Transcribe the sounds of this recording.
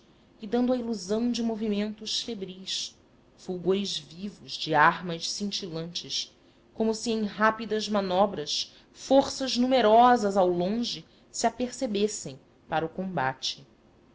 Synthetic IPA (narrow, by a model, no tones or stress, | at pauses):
ɪd̪ɐ̃nd̪ʊɐiluzɐ̃w̃d͡ʒɪmovimẽnt̪ʊsfebɾijs | fuwɡoɾɪʒvivʊzd͡ʒɪaɾmɐʃsĩnt͡ʃilɐ̃nt͡ʃɪs | kõmʊsiẽj̃ɦapid̪ɐzmanɔbɾɐs | foɾsɐʒnumeɾɔzɐzawlõʒɪ | siapeɾsebesẽj̃ | paɾɐukõmba̰t͡ʃɪ̥